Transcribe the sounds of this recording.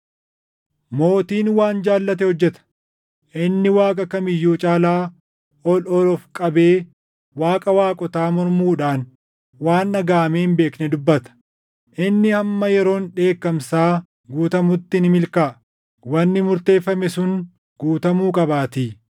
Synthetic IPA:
mo̞ːt̪iːnwaːnd͡ʒaːlːɐt̪ɛhɔd͡ʒːɛt̪ɐ̥ | ʔɪnːɪwaːkʼɐkɐmɪjːuːt͡ʃʼaːlaː | ɔlɔlɔfkʼɐbe̞ː | waːkʼɐwaːkʼɔt̪aːmɔɾmuːᶑaːn | waːnːɐɡaːmeːɪmbe̞ːknɛd̪ʊbːɐt̪ɐ̥ | ʔɪnːɪhɐmːɐjɛɾo̞ːnᶑe̞ːkːɐmsaː | ɡuːt̪ɐmʊt̪ːɪnɪmɪlkaː | wɐnːɪmʊɾt̪e̞ːfːɐmɛsʊŋ | ɡ̥uːt̪ɐmuːkʼɐbaːt̪iː

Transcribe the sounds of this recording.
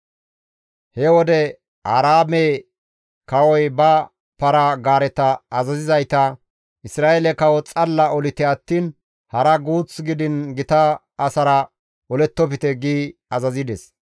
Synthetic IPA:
hɛwɔd̪ɛ | aːɾaːme | kɐwɔjbɐ | pɐɾɐɡaːɾɛt̪ɐːzɐzɪzɐjt̪ɐ | ɪsɾaːʔelɛkɐwɔt͡sʼɐlːɐɔlɪt̪ɛɐt̪ːiːn | hɐɾɐɡuːt͡sɡɪd̪ɪnɡɪt̪ɐː | sɐɾɐ | ʔɔlɛt̪ːɔpɪt̪ɛɡiːɐzɐzɪd̪ɛs

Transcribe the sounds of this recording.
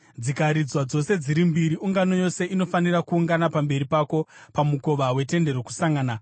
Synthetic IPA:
d͡zikaɾid͡zwad͡zo̞se̞d͡ziɾimbiɾiuŋɡano̞jo̞se̞ʔino̞fanirakuːŋɡanapambe̞ɾipako̞pamuko̞ʋawe̞te̞nde̞ɾo̞ku̥saŋɡaːna

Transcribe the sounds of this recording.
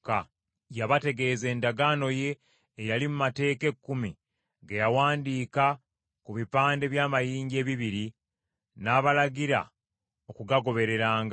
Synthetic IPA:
ka | jaβate̞ɡe̞ːze̞ːndaɡano̞je̞ː | jalimumate̞ːke̞kːumi | ɡejawaːndiːka | kuβipaːnde̞βjaːmajiːɲɟie̞ːβiβiɾi | naːβalaɡiɾa̰ | o̞kuɡaɡo̞βe̞ɾe̞ɾaːŋɡ

